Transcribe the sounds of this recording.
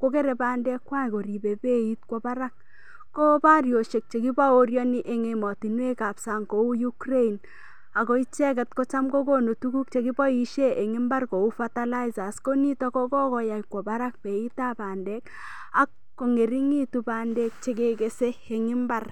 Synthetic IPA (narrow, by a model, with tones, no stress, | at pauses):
ko˦ke˦ɾe˨baː˨ndɛ˦kwa˦˨ko˨ɾi˨be˨be˦it̚kwɔ˦ba˦ɾa˦k̚ː | o˦pa˦rjo˨ʃe˨k̚t͡ʃe˨ki˦ba˦o˦rjɔ˦ni˦ʔe˨ŋe˨mɔ˨ti˨nwe˦ka˨psa˨ŋko˨u˦ju˦kre˦i˨n | a˨ko˦i˦t͡ʃɛ˦kɛ˨t̚ko˦t͡ʃa˦mko˦ko˦no˨tu˦ku˦k̚t͡ʃe˨ki˦bɔ˦i˦ʃe˦ʔe˨ŋɪ˦mba˦rko˨u˦fa˦ta˦la˦iza˨sko˦ni˦tɔ˦kɔ˦kɔ˦kɔ˨ja˨jkwɔ˨ba˦ɾa˦k̚pe˨i˦ta˦baː˨ndɛ˦k | a˦kːo˨ŋe˨ɾi˦ŋi˦tupa˨ndɛ˦k̚t͡ʃe˨ke˨ke˦seː˦˨ŋɪ˦mba˦r